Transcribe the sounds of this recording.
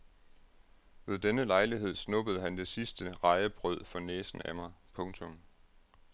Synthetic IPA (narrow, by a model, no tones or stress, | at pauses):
ʋe̝ðˠd̥enəlɑ̈ɪliɦe̝ð̞̰ˠsnɔ̽b̥əð̩ˠɦænd̥e̝sisd̥əʁɑ̈ɪəb̥ʁœð̞̰ˠfɒ̽neːsn̩æmɑ̈ɪpʰɔ̽ŋt͡sʰɔ̽m